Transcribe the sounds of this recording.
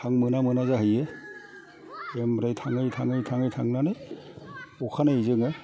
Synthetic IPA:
tʰaŋmɯnamɯnazaɦɯjɯ | embɾajtʰaŋɯjtʰaŋɯjtʰaŋɯjtʰaŋnanaj | ɔkʰanaizɯŋɯ

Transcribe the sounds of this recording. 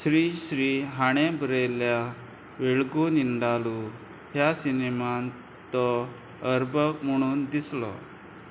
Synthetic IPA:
sɾiːɕɾiɦaɽ̃ebɾelja | ʋeɭɡuniɳɖalu | ɦjasineman | t̪ɔ | əɾbʱəkm̤əɽ̃uːnd̪islɔ̰

